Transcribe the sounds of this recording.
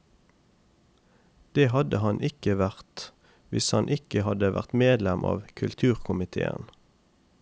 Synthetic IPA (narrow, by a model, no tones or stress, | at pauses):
d̪̥eːhɑd̪əhɑnʔɪkəʋæʁt̪ | ʋɪshɑnʔɪkəhɑd̪əʋæ̰ʁt̪meːd̪lɛmʔɑ̰ːʋkʰʉlt̪ʰʉːʁkʰʊmɪt̪ʰḛːə̰n